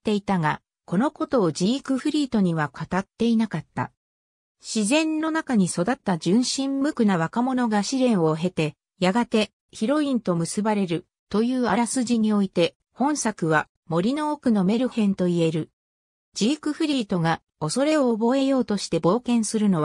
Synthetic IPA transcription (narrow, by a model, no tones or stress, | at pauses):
t̪ːe̞it̪aɡa | ko̞no̞ko̞t̪o̞ːd͡ʑiːkɯ̟ɸɯ̟ɾʲiːt̪o̞ɲ̟iβakʰat̪at̪ːe̞inakat̪ːa̰ | ɕizẽ̞nːo̞nakaɲ̟iso̞d̪at̪ːad͡ʑɨ̃ɰ̃ɕĩmmɯ̟kɯ̟naβ̞akamo̞no̞ɡaɕiɾẽ̞ɰ̃o̞ɦe̞t̪e̞ | jaɡat̪e̞ | çiɾo̞ĩnt̪o̞mɯ̟sɨbaɾe̞ɾɯ̟ | t̪o̞jɯ̟ːaɾasɨʑiɲ̟io̞it̪e̞ | hõ̞ɰ̃sakɯ̟βa | mo̞ɾʲino̞ːkɯ̟no̞me̞ɾɯ̟hẽ̞nt̪o̞ie̞ɾɯ̟ | d͡ʑikɯ̟ɸɯ̟ɾʲiːt̪o̞ɡa | o̞so̞ɾe̞oːbo̞e̞jo̞ːt̪o̞ɕi̥t̪e̞bo̞ːkẽ̞ɰ̃sɨɾɯ̟no̞β